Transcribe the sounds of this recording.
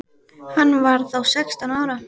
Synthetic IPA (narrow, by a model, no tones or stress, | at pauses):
hanːvaɾðawsɛkst̪anaːwɾa